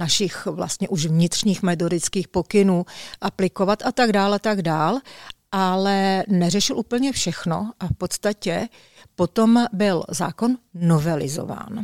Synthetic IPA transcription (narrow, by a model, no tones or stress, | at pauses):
naʃɪxvla̰st̪ɲɛʔuʃvɲɪt̪r̥ɲiːxmɛt̪̬odɪt͡skiːxpo̞kɪnuːʔaplɪkovat̪ʔat̪aɡdaːlʔat̪aɡdaːlʔalɛnɛrɛʃɪlʔuːpl̩ɲɛfʃɛxno̞̰ʔafpo̞t̪st̪acɛ | po̞t̪o̞mbɪlza̰ːko̞nːo̞vɛlɪ̰zo̰va̰ːn